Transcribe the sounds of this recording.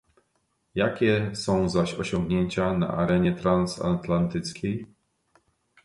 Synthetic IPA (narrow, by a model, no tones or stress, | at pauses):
jakʲɛsɔ̃w̃zaɕɔɕɔŋɡɲeɲt͡ɕana̰ʔaɾɛɲɛt̪ɾansa̰t̪lant̪ɘt̪skʲej